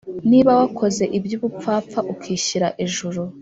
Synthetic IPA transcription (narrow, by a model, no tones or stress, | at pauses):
niβawakʰo̞ze̞ʔibjuβup͡faːp̪p͡faʔukʰiːɕiɾaʔeʒuɾu